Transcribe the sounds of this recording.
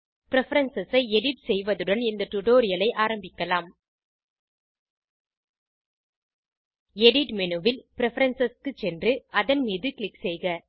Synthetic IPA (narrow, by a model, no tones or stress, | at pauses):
pɪɾɛfɐɾɐnsɐsɐɪɛɽɪʈsɛjʋɐðɯɽɐnɪnd̪ɐʈʊʈoːɾɪjɐlɐɪʔaːɾɐmbɪkːɐlaːm | ɛɽɪʈmɛnɯʋɪlpɪɾɛfɐɾɐnsɐskɯt͡ʃɛndrɯɐðɐnmiːðɯkɪɭɪksɛjɣɐ